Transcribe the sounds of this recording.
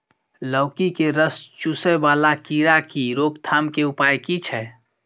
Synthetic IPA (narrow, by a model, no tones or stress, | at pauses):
lɔːkikeɾəst͡ʃusəbaːlakiːɾakiɾoːɡt̪ʰaːmkeʊpaːjkit͡ʃʰɛː